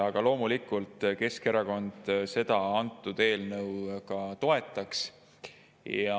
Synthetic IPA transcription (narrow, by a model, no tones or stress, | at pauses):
ɑɡ̥ɑlo̞ːmulikːˑult̪ˑke̞ske̞ɾɑko̞nd̪̥se̞d̪̥ɑɑnt̪ːˑud̪̥e̞ːlnɤwkɑt̪o̞e̞t̪ːˑɑks | jɑ